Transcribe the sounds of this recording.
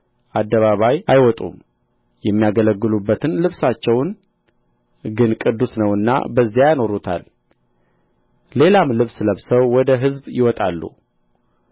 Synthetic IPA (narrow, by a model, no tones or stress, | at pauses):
ʔad̪ːəβaβajajwɔt̪ʼṵm | jɛmːijaɡələɡːɨlubːət̪ɨnlɨβsat͡ʃːɛwn | ɡɨnkʼɨd̪ːusnəwɨnːa̰bəzːjajno̞ɾut̪ʰa̰l | le̞lamlɨβsləβsəwːɔd̪əɦɨzbjɪwɔt̪ʼalːṵ